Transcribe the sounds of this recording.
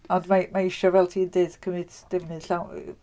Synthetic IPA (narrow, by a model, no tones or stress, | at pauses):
ɔndmamaɪʃɔvɛlˠtʰiːndeːd̥kʰəmɨdd̥əvnɨɬaw